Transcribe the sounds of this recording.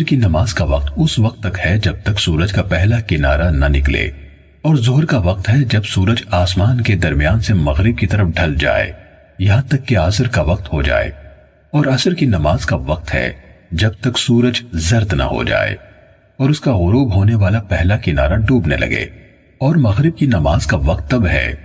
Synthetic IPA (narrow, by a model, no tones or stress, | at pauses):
ɾkinɐmaːzkaʋɐq̚t̪ʊsʋɐq̚t̪ːɐkhɛd͡ʒɐb̚t̪ɐksuːɾəd͡ʒkapɛɦlakɪna̰ːɾanɐnɪklḛː | ɔːɾzoɦɾkaʋɐq̚t̪ɦɛd͡ʒɐbsuːɾəd͡ʒaːsmaːnked̪ɐɾmijaːnsemɐɣɾɪb̚kit̪ɐɾəfɖʱɐld͡ʒa̰ːḛː | jɐɦãt̪ɐkːeaːsəɾkaʋɐq̚t̪hod͡ʒa̰ːḛː | ɔːɾɐsəɾkinɐmaːzkaʋɐq̚t̪ɦɛ̰d͡ʒɐb̚t̪ɐksuːɾəd͡ʒzɐɾt̪nɐ̰ɦo̰d͡ʒa̰ːḛː | ɔːɾʊskaɣʊɾoːbɦoːneʋaːlapɛɦlakɪna̰ːɾaɖuːbnḛlɐ̰ɡḛː | ɔːɾmɐɣɾɪb̚kinɐmaːzkaʋɐq̚t̪ːɐbɦɛ̰ː